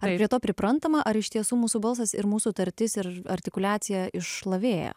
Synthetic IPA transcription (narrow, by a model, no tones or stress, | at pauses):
ɐrɾʲiɛt̪oːpʲɾʲɪpɾɐnt̪ɐmɐʔɐɾɪʃt̪ʲiɛsuːmuːsuːbɐlˠs̬ɐsɪɾmuːsuːt̪ɐɾʲt̪ʲɪsɪɾɐɾʲt̪ʲɪkʊlʲæːt̪sʲɪjɛɪʃlˠɐʋʲeːjɛ̰